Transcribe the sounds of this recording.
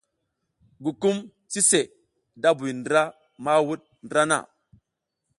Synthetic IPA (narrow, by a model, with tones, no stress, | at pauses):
ɡu˨ku˦m | t͡si˦se˨ | da˦bu˨jndɾa˦ | ma˦wu˦ɗ̚ndɾa˦na̰˦˨